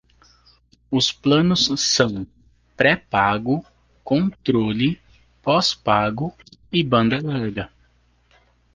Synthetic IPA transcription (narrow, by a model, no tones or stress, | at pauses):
ʊsplɐ̃nʊsːɐ̃w̃ | pɾɛpaɡʊ | kõt̪ɾolɪ | pɔspaɡʊ | ɪbɐ̃nd̪ɐlaɾɡɐ